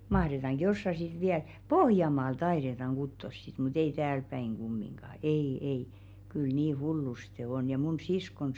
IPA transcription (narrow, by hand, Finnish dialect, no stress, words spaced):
mɑhretɑŋɡ̊ josːɑ sit ʋiæl pohjɑmɑːl tɑiɾetɑŋ ɡ̊utːos sit mut ei tæːlpæiŋ ɡ̊umːiŋɡ̊ɑˑ ei ei kyl niː hulːuste on jɑ mun siskon